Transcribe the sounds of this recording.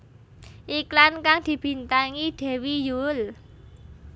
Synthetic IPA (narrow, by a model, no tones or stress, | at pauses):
ʔiklankaŋd̪̥i̤b̥i̤nt̪aŋid̪̥e̤wijul